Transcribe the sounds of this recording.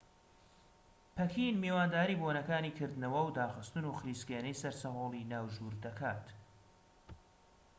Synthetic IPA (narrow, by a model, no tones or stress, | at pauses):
pʰɛkʰinmiwaːnd̪aːɾiːboːnɐkaːniːkʰɨɾd̪ɨnɐwɐwd̪aːxɨst̪ɨnuxɾiːskeːnɛjsɐɾsɐɦoːlˠinaːwʒuːɾd̪ɐkʰaːt̪